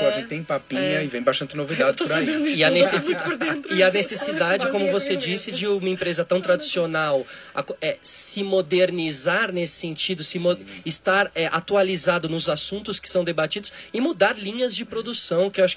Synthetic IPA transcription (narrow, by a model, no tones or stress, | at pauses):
ɔd͡ʒẽt̪ẽj̃papiɲɐɪvẽj̃baʃt̪ɐ̃nt͡ʃɪnovid̪ad͡ʒɪt̪ɾaiĩɪɐnesesipoɾd̪ẽnɾɪɐnesesid̪ad͡ʒɪkõmʊvosed͡ʒisɪd͡ʒɪũmɐẽpɾezɐt̪ɐ̃w̃t̪ɾad͡ʒisionaw | a̰koɛssɪmod̪eɾnizaɾnesɪ̥sẽnt͡ʃid̪ʊsɪmoɪst̪aɾɛʔat̪ualizad̪ʊnʊzasũnt̪ʊskɪ̥sɐ̃w̃d̪ebat͡ʃid̪ʊsɪmud̪aɾlĩɲɐzd͡ʒɪpɾod̪usɐ̃w̃kɪwaʃʊ̥